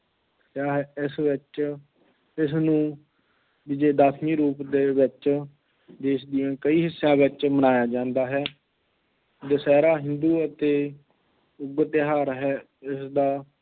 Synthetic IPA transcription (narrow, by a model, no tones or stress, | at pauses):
kjaːɦɛːɪsʋɪt͡ʃ | ɪsnũː | bid͡ʒeːd̪aːsʰniːɾuːpd̪eːʋɪt͡ʃ | d̪eːsd̪ɪjãːkəiːɦɪsːjãːʋɪt͡ʃmənaːjaːd͡ʒãːnd̪aːɦɛː | d̪əsɛːɾaːɦɪnd̪uːət̪eː | ʊɡət̪ɦaːɾɦɛː | ɪsd̪aː